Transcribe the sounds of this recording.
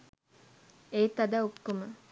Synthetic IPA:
eːt̪ɐd̪aokːumə

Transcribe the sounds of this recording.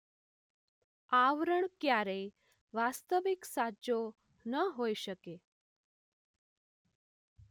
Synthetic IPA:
aʋɾəɳkjaɾəj | ʋast̪əʋiksad͡ʑo | nəɦoiɕəke

